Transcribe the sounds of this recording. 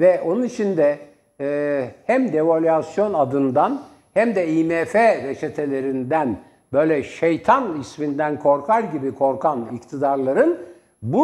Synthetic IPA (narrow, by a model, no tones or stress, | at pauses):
vɛʔo̞nunit͡ʃʰind̪ɛ | hæmd̪e̞vo̞lʲasjo̞nad̪ɯnd̪an | hæmd̪ɛimefeɾet͡ʃʰet̪ʰe̞lʲe̞ɾind̪æn | bø̞jlʲɛʃe̞jt̪ʰanismind̪ænkʰo̞ɾkʰaɾɟibikʰo̞ɾkʰanikt̪ʰid̪aɾlˠaɾɯn | bu